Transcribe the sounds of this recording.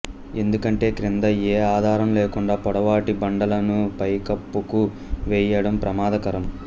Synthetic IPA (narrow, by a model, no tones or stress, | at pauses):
e̞nd̪ukɐɳʈe̞ːkɾind̪ɐeːaːd̪ʱaːɾɐmleːkuɳɖaːpɔɽɐʋaːʈibɐɳɖɐlɐnupɐjkɐpːuku | ʋɛːjɐɽɐmpɾɐmaːd̪ɐkɐɾɐm